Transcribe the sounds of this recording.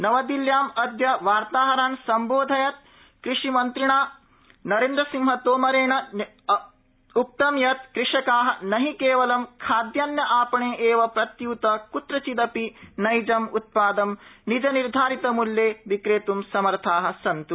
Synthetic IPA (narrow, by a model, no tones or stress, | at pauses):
nɐʋɐd̪iljaːmɐd̪jɐʋaːɾt̪aːɦɐɾaːnsɐmboːd̪ʱɐjɐt̪̚ | kɾiʂimɐnt̪ɾiɳaː | nɐɾeːnd̪ɾɐsiŋɦɐt̪oːmɐɾeːɳɐ | up̚t̪ɐmjɐt̪kɾiʂɐkaːɦɐ̆nɐɦikeːʋɐlɐmkʰaːd̪jaːnjɐʔaːpɐɳeːʔeːʋɐpɾɐt̪juːt̪ɐkut̪ɾɐt͡ʃid̪ɐpinɐjd͡ʒɐmut̪̚paːd̪ɐmnid͡ʒɐniɾd̪ʱaːɾit̪ɐmuljeːʋikɾeːt̪umsɐmɐɾt̪ʰaːɦɐ̆sɐnt̪u